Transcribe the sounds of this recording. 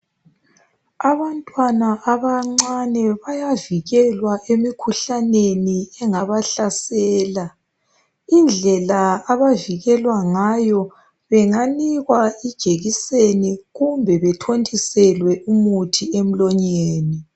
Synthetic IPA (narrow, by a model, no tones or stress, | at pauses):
aβantʼwanaʔaβaŋ͡ǀanɛβajaviɣɛlwaʔemikʰuɬaneniɛŋaβaɬasɛːla | ind͡ɮʱɛlaːβaviɣɛlwaŋajɔ | βɛŋaniɣwaid̥ʒ̥ʱeɣiseniɣumbʱɛβɛtʰontʰʼisɛlwɛʔumutʰiem̩lɔɲeːni